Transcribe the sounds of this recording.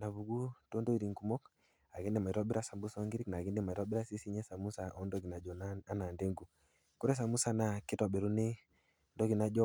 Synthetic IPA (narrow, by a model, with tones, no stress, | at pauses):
na˨βu˨ɡu˦to˦ndo˦i˨ɾi˨ŋɡu˨mɔ˦k | a˨ɡe˦nde˨ma˨i˨ɾɔ˦bi˦ɾa˦sa˨mbu˦sɔ˦ŋɡi˦ɾi˦kna˨ɡi˦nde˦˨ma˨ɾɔa˦bi˦ɾa˦si˦si˦ɲɛ˦sa˨mu˦sa˨ʔɔ˦ndɔ˦ɡi˨na˨d͡ʒɔ˨n˦a˦na˨nde˦ŋɡu˨ | kɔ˦ɾɛ˦s̬a˨mu˦sa˨˦na˨kɪ˦tɔ˨ɓɛ˨ɾu˦nɪ˦ | ndɔ˦ɡi˨na˦d͡ʒɔ˦